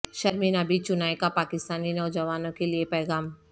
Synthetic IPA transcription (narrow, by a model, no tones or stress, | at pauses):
ʃɐɾmiːnabiːt͡ʃʊnaːekapaːkɪst̪aːninɔːd͡ʒɐʋaːnõkeliepɛːɡaːm